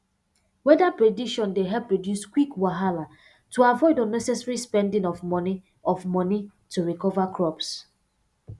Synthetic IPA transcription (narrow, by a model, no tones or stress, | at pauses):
wɛdapɹediʃɔ̃ndeɦɛpːɹɔdjuskwikwaɦala | tuavɔɪdənɛsɛsɹispɛ̃ndĩŋɔfmɔni | ɔfmɔni | tuɹikɔvakʰɹɔps